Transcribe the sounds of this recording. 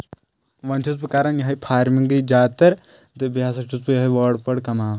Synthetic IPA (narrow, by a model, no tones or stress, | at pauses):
ʋɐnt͡ʃʰus̬pɨkaːɾɐnjɐɦipʰaːɾmiŋɡɨd͡ʒaːt̪ɐɾ | d̪ɨbjaːs̬ɐt͡ʃʰuspɨjɐɦɐʋɐːɖpɐɽkɐmaː